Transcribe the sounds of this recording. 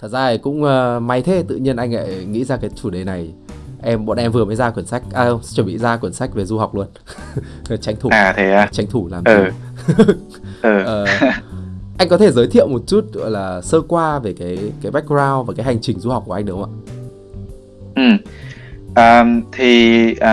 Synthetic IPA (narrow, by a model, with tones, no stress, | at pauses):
t̪ʰə˨˩t̚zaː˧ə˨˩kʊ̰˧˥ŋ͡mʔəː˨˧ma˨˦jt̪ʰe˧t̪ɨ̰˧˨ɲi˧ənʔa˧jŋ̟la̰ː˧˨jŋḭ˧˥zaː˧kaː˨˦jt͡ɕu˧˩ɗe˨˩na˨˩jʔɛ˧mɓo̰˧˨nʔɛ˧mvɨ˨˩əməː˨˦jzaː˧kwə˧˩ənsa˦˥jk̟̚ʔaː˧˩ə˧wŋ͡mt͡ɕwə˧˩˨ɓḭ˧˨zaː˧kwi˧˩ənsa˦˥k̟̚ve˨˩zu˧ha˨˩wk͡p̚lu˧ən˨˩ | t͡ɕa˨˦j̟t̪ʰu˧˩˨aː˨˩t̪ʰe˨˦aː˧t͡ɕa˨˦jŋ̟t̪ʰu˧˩laː˨˩məː˨˧˩ | ʔəː˨˩ʔəː˨˩ | ʔa˧jŋ̟kɔ˨˦t̪ʰe˧˩zəː˨˦jt̪ʰḭ˧˨ə˨wmo˨˩t̚t͡ɕu˦˥t̚zɔ̰˧˨jlaː˨˩səː˧kwaː˧ve˨˩kaː˨˦jkaː˨˦jɓa˦˥k̟̚zaː˧wvaː˨˩kaː˨˦jɦa˨˩jŋ̟t͡ɕï˨˩ŋ̟zu˧ha˨˩k͡p̚u˧˩˨a˧ŋ̟ɗə˨˦wŋ͡mʔa̰ː˧˨ | ʔɨ˨˩m | ʔəː˨˩t̪ʰi˨˩˨